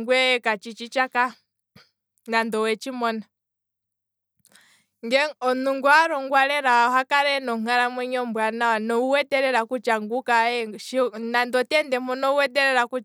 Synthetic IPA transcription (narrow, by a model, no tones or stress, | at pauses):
ŋɡwɛkat͡ʃit͡ʃit͡ʃaka | nandɔwɛt͡ʃimɔna | ŋɡɛɔnuŋɡuaɾɔŋɡwaɾɛɾaɦakaɾɛnɔŋ̥aɾamwɛɲɔmbwananɔuwɛtɛɾɛɾakut͡ʃaŋɡukaɛʃnandɔtɛndɛmɔnɔuwɛt̬ɛɾɛɾaku